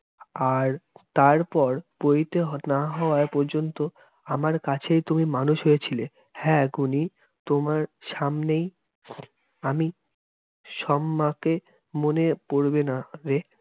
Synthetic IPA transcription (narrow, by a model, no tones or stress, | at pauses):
aɾt̪aɾpɔɾpojt̪eɦnaɦɔoaepɔɾd͡ʑont̪o | amaɾkat͡ɕʰejt̪umimanuʃɦojet͡ɕʰile | hɛɡuni | t̪omaɾʃamnej | ami | ʃɔmːake | monepoɾbenaɾe